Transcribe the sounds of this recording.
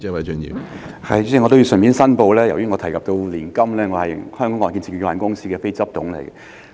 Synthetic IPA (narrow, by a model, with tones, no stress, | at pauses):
t͡sɛ˥wɐ˨˥jt͡ʃɵ˨njḭː˨hɐ˨jt͡sɛː˥˩ŋɔ˨˧t̪o˥ji˧wsœ˨nmi˨˥nsɐ˥npo˧wlɛː˥jɐ˨˩wjyː˥ŋɔː˧t̪ʰɐ˨˩jkɐ˨p̚t̪o˧wliː˨˩nkɐ˥mlɛː˥ŋɔ˨˧hɐ˨jhœː˥ŋkɔː˨˧ŋɔː˨˩nki˧nsʰi˨˩ky˧waː˨nkʊ˥ŋsiː˥kɛː˧fe˥jt͡sɐ˥p̚t̪ʊ˨˧˥ŋlḛ˨˩jk